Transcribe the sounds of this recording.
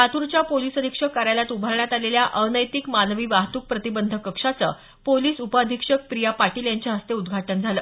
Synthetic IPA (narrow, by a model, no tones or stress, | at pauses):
at̪uɾt͡ɕjapolisəd̪ʱikʂəkːaɾjaljat̪ubʱaɾɳjat̪aleljaʔənəjt̪ikmanʋiːʋaɦt̪uːk̚pɾət̪ibənd̪ʱəkəkʂat͡sə̰ː | poliːsupəːd̪ʱikʂək̚pɾijapaʈiːljaɲt͡ɕaɦəst̪eud̪ɡʱaʈənd͡zʱaləː